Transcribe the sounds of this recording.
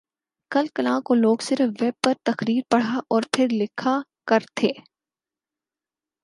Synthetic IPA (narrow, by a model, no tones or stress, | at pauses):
kɐlkɐlãkoloːɡsɪɾfʋɛːb̚pɐɾt̪ɐxɾiːɾpɐɽ̤aʔɔːɾpʰɪɾlɪkʰa | kɐɾt̪ʰeː